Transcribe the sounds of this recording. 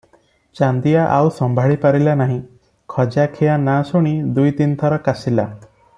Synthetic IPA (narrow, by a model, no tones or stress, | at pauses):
t͡ʃand̪ijaʔawsɔmbʱaɭipaɾilanaɦĩ | kʰɔd͡ʒakʰejanasuɽ̃id̪ujt̪int̪ʰɔɾɔkasila